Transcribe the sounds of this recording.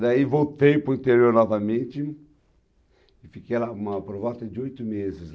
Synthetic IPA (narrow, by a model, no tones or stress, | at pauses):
d̪aivowt̪ẽjpʊɐ̃nt̪eɾioɾnɔvɐmẽt͡ʃɪ | ɪfikejlaũmɐpoɾvɔlt̪ɐd͡ʒɪojt̪ʊmezɪs